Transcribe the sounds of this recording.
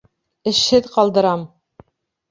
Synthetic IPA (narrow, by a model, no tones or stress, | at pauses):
ɘ̆ʃhɘðqɑlˠd̪ɤ̆ɾɑm